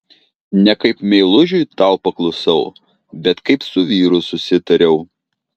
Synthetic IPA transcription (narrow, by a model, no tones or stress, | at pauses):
nʲɛkɐɪpmʲɛɪlˠʊʒʲʊjt̪ɑˑʊpɐklˠɐʊsɐʊ | bʲɛt̪kɐɪpsʊʋʲiːɾʊsʊsʲɪt̪ɐɾʲɛʊ